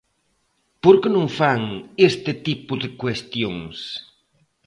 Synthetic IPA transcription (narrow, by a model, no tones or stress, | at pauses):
poɾkenõŋfaŋest̪ɪt̪ipʊðɪkwest̪joŋs